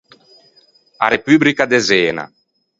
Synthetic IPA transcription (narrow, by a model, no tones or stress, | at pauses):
a̰ɾepyːblikad̪ezeːna̰